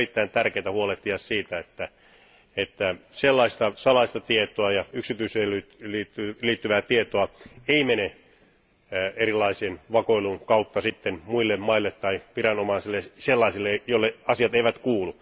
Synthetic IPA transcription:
rit̪ːæint̪ærkeːt̪æhuoleht̪ːiɑssiːt̪æet̪ːæ | et̪ːæselːɑist̪ɑsɑlɑist̪ɑt̪iet̪oɑjɑyksit̪yiselytliːt̪ːyliːt̪ːyʋæːt̪iet̪oɑeimene | erilːˑɑiseːnʋɑkoiluŋkɑut̪ːɑsit̪ːenmuilːemmɑilːet̪ːɑiʋirɑnomɑisilːeselːɑisilːejoilːeɑsiɑt̪eiʋæt̪kuːlu

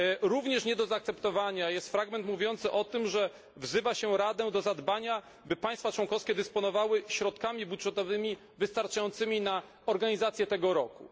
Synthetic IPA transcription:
ɾuvɲɛʂɲɛd̪ɔzaːk̚t̪sɛpt̪ɔvaɲajɛst̪fɾaɡmɛnt̪muvʲjɔnt̪sɘʔɔt̪ɘmʐɛ | vzɘvaɕɛɾad̪ɛd̪ɔzad̪baɲa | bɘpajst̪fat͡ʂwɔŋkɔfskʲɛd̪ɘspɔnɔvawɘɕɾɔt̪̚kamʲibudʐɛt̪ɔvɘmʲi | vɘst̪aɾt͡ʂajɔnt̪sɘmʲina | ɔɾɡaɲizat̪sʲjɛt̪ɛɡɔɾɔkṵ

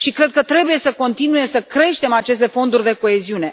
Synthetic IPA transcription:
ʃikɾe̞d̪̚kət̪ɾe̞buje̞səko̞nt̪inuje̞səkɾe̞ʃt̪e̞mat͡ʃe̞s̬t̪e̞fo̞nd̪urʲd̪e̞ko̞e̞ziune̞

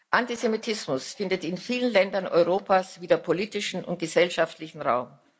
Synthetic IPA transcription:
ʔantizemitʰɪsmʊsfɪndətɪnfiːlənlɛndɐnʔɔ̰ʏʁoːpʰaːsv̥iːdəɐpʰoliːtɪʃn̩ʊ̰nt̚ɡ̥əzɛlʃaftlɪçn̩ʁaʊm

